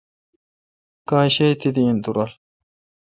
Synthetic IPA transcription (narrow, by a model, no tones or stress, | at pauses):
kãːɕet̪id̪iint̪uɾɐl